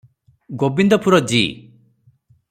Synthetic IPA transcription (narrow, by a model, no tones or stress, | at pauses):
ɡobind̪ɔpʰuɾɔd͡ʒḭ